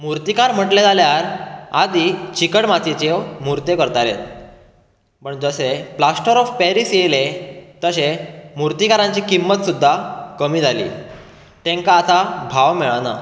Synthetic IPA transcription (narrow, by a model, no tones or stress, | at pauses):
muɾt̪ikaɾm̤əʈled͡zaljaɾad̪it͡ɕikəɽmat̪ʰet͡ɕewmuɾt̪jekəɾt̪aɾet̪ | pəɳd͡zəseplasʈəɾɔfpeɾisjelet̪əɕemuɾt̪ikaɾãɲt͡ɕiːkimːət̪sud̪ʱːakəmiːd͡zʱalḭː | t̪ẽŋkaːt̪abʱaʋmeɭana̰